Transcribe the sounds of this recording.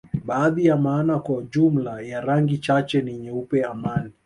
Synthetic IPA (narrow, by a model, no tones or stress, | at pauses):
ɓaːðijamaːnakwaud͡ʒum̩lajaɾaŋɡit͡ʃat͡ʃɛniɲɛupɛamani